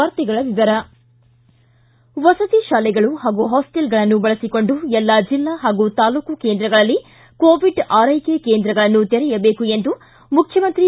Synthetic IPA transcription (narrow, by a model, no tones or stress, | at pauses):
ɐɾt̪iɡɐɭɐd̪id̪ɐɾɐ | ʋɐsɐt̪iʃaːlɛɡɐɭuɦaːɡuɦɔːsʈelɡɐɭɐnːubɐɭɐsiko̞ɳɖuɛlːɐd͡ʒilːaɦaːɡut̪aːluːkuke̞ːnd̪ɾɐɡɐɭɐlːi | koːʋiɖaːɾɐjkekeːnd̪ɾɐɡɐɭɐnːut̪eɾɛjɐbe̞ːkue̞nd̪u | mukʰjɐmɐnt̪ɾi